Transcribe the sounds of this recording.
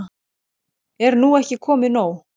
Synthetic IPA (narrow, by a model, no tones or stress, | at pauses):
ɛɾnuɛhcɪkʰɔːmɪnoːw